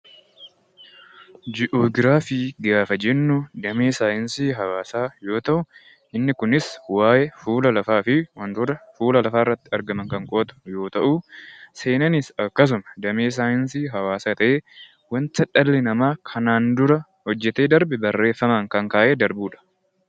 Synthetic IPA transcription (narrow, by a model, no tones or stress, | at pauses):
d͡ʒɪʔoːɡɪɾaːfɪːɡaːfɐd͡ʒɛnːʊd̪ɐmeːsaːjɪnsiːɦɐwaːsaːjo̞ːt̪ɐʔʊ | ʔɪnːɪkʊnɪswaːjɛfuːlɐlɐfaːfɪwɐnd̪ʊɾɐfuːlɐlɐfaːɪrːɐt̪ːɪɐɾɡɐmɐŋkɐŋkʼoːt̪ʊ̥jo̞ːt̪ɐʔuːse̞ːnɐnɪsɐkːɐs̬ʊmɐd̪ɐmeːs̬aːjɪnsiːɦɐwaːsaːt̪ɐʔeː | wɐntɐᶑɐlːɛnɐmaːkʰɐnaːnd̪ʊɾɐ | hɔd͡ʒːɛt̪e̞ːd̪ɐɾbɪbɐrːe̞ːfːɐmɐŋkɐŋkaːʔeːd̪ɐɾbuːᶑɐ̥